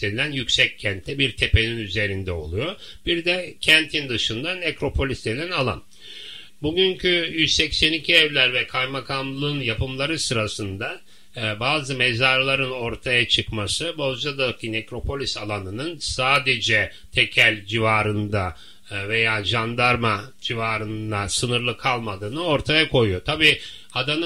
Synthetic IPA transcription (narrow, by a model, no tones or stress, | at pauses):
elænjycʲsɛc̚cʰɛnt̪ʰːɛbiɾt̪ʰe̞pe̞ninyze̞ɾind̪ɛo̞̰lˠujo̞ | b̥iɾd̪ɛcʰɛnt̪ʰind̪ɯʃɯnd̪anekɾo̞pʰo̞lʲist̪elʲænalˠa̰n | buɟyɲcʰyjyzsɛcsɛnicʰiɛvlʲæɾvɛkʰajmakʰamlˠɯnjapɯmlˠaɾɯsɯɾasɯnd̪a | baːzɯmezaɾlˠaɾɯno̞ɾt̪ʰajat͡ʃʰɯkmasɯbo̞zd͡ʒad̪akʰinekɾo̞pʰo̞lʲisalˠanɯnɯnsaːd̪e̞d͡ʒɛ | t̪ʰecʰælʲd͡ʒivaːɾɯnd̪a | ve̞jaːʒand̪aɾmad͡ʒivaːɾɯnd̪asɯnɯɾlˠɯkʰalˠmad̪ɯːnɯo̞ɾt̪ʰajakʰo̞jujot̪ʰabiː | had̪anɯ